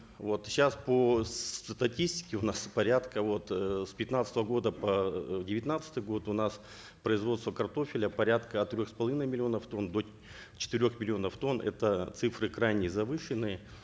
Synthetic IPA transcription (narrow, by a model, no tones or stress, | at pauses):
vo̞t̪ɕaspost̪ɐtʲisʲtʲɪ̥kʲɪʊnaspɐɾʲat̪kəvo̞t̪spʲɪt̪nat̪sət̪əvəɡo̞d̪əpədʲɪvʲɪt̪ʲnat̪sɨ̥t̪ɨjɡo̞t̪ʊnas | pɾəɪzvo̞t̪st̪vəkɐrt̪o̞fʲɪlʲəpɐɾʲat̪kəɐt̪t̪ːɾʲoxspɐlˠɐvʲinəjmʲɪlʲɪo̞nəft̪o̞nd̪o | t͡ɕɪ̥t̪ɪɾʲo̞xmʲɪlʲɪo̞nəft̪o̞nʔɛ̰t̪ət̪sɨfɾɨkɾajnʲɪzɐvɨʂɨnːɨjə